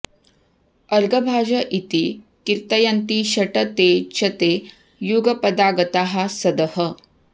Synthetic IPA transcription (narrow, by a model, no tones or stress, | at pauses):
əɾɡəbʱaːd͡ʒɐʔit̪ikiɾt̪ɐjant̪iɕɐʈɐt̪et͡ʃʰɐt̪e | juɡɐpɐd̪aːɡɐt̪aɦasɐd̪əhə